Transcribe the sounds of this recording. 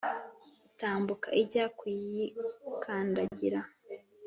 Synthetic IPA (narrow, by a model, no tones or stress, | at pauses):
utaːmbukaʔiɟaːkwijikʰaːndaɟiɾa